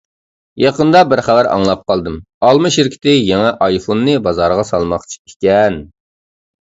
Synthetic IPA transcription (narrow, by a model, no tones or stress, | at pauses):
jɑqənd̪ɑbɪɾχæwæɾɑ̰ŋlˠɑp̚qɑlˠd̪ɨm | ɑlˠmɨʃɪɾkʲʰi̥t̪ɪjɛŋɛʔɑjfonːɨbɑzɑɾʁɑsɑlˠmɑqt͡ʃʰi̥ikʲɛn